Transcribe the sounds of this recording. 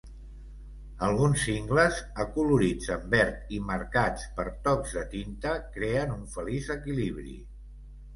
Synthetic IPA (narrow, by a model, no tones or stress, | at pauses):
əlˠɣunsːiŋɡləzəkuluɾid͡zəmbɛɾt̪iməɾkat͡spəɾt̪ɔkzðət̪int̪əkɾeənuɱfəlizəkiliβɾḭ